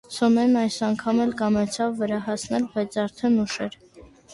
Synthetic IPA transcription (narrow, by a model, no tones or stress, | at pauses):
sɔmɛnɑjsɑŋkʰɑmɛlkɑmɛt͡sʰɑvːəɾɑhɑsnɛlbɑjt͡sʰɑɾt̪ʰɛnuʃɛɾ